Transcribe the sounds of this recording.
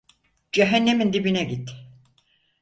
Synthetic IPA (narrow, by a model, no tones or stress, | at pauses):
d͡ʒɛɦænːemind̪ibinɛɟit̪